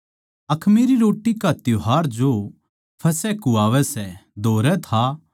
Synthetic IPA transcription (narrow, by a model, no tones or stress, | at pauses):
ɐkʰmiɾiɾoːʈːikat̪jʊɦaːɾd͡ʒo | pʰɐsɛkuaːʋɛsɛd̪ʱoːɾɛt̪ʰa